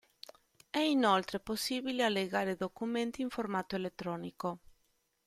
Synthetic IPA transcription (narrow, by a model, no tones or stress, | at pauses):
ɛinolt̪ɾeposːiːbilealːeɡaːɾed̪okument̪iːɱformat̪oelet̪ːɾɔːniko